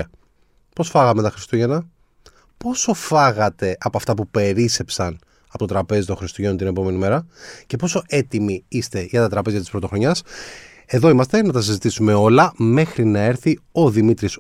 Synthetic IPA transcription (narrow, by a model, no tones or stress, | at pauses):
po̞sfɐɣɐmet̪ɐxɾist̪uʝe̞nɐ | po̞so̞fɐɣɐt̪e̞ʔɐpoɐft̪ɐpupe̞ɾise̞psɐn | ɐpot̪ot̪ɾɐpe̞zit̪õ̞xɾist̪uʝenot̪ine̞po̞me̞nime̞ɾɐce̞po̞so̞ʔe̞t̪imiist̪e̞ʝɐt̪ɐt̪ɾɐpe̞zɐt̪ispɾot̪o̞xɾo̞ɲɐs | e̞ðo̞imɐst̪e̞nɐt̪ɐsizit̪isume̞o̞lɐme̞xɾinɐe̞ɾθio̞ðimit̪ɾis